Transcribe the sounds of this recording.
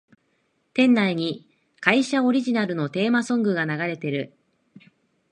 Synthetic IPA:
t̪ẽ̞nːaiɲ̟i | kaiɕao̞ɾʲiʑinaɾɯ̟no̞t̪e̞ːmasõ̞ŋɡɯ̟ɡanaɡaɾe̞t̪e̞ɾɯ̟

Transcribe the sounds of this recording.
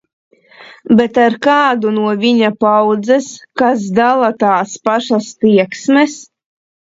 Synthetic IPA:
bɛt̪aɾkaːd̪unuɔvʲiɲapawd̪zɛskas̬d̪alˠat̪aːspaʃast̪iɛksmɛs

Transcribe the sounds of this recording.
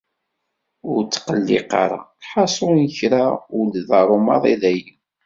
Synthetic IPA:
ʊɾt͡sːqəlːḭqɑ̰ɾˤa̰ħɑsˤʊnəçɾaʊlðɑɾˤomɑ̰ðˤiðæjən

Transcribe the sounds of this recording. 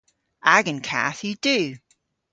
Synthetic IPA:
ʔaɡə̃nkʰa̰θjɨd̥ʉ

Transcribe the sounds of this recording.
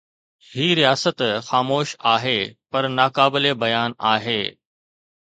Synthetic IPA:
hiːɾijaːsət̪xaːmoːʃaːɦeːpɐɾnaːkaːbɪlebɐjaːnaːɦeː

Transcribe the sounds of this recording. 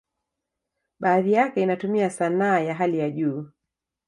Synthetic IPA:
ɓaːðijakɛinatumiasanaːjaɦalijaʄuː

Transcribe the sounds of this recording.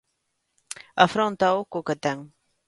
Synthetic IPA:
afɾont̪awkokət̪aŋ

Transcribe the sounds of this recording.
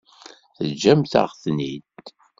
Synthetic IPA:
θəd͡ʒːæmθə̰ʁθnid̪

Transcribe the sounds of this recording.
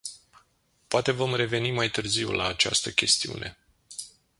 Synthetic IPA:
poat̪e̞vo̞mre̞ve̞nimajt̪ɨrziwlaːt͡ʃa̰st̪əkʲe̞st̪iṵnʔe̞

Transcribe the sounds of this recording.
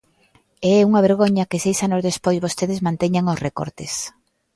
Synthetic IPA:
ɛuŋɐβ̞eɾɣoɲɐkesejsanozðespojzβost̪eðɪzmãnt̪ɛɲaŋosreko̰ɾt̪ɪs

